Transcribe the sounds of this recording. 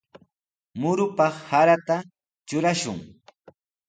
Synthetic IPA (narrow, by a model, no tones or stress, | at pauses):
mʊɾʊpɑχhaɾat̪a | t͡ʃʊɾaʃʊ̰ŋ